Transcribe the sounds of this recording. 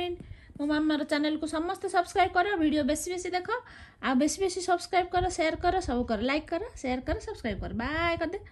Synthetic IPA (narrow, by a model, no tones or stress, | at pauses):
inmumamːaɾʌt͡sanelkosʌmːʌst̪ʌsʌbskɾajb̚kʌɾʌbʱiɽijobesibesid̪ekʰʌw | abesibesisʌbskɾajb̚kʌɾʌsejarkʌɾʌsʌbukʌɾʌlajkːʌɾʌsejarkʌɾʌsʌbskrajb̚kʌɾɔbaekʌd̪e